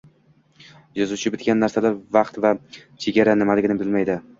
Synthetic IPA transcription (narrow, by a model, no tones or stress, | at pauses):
jɒzut͡ʃʰɪbɪt̪kʲanːaɾsalaɾvaqt̪vat͡ʃʰe̞ɡʲaɾanɪmalɪɡʲɪnɪbɪlmajd̪ɪ